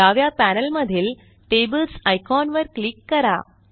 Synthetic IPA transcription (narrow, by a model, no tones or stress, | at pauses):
aʋjapænəlməd̪ʱil | ʈebəlsajkɔnʋəɾklikːəɾa̰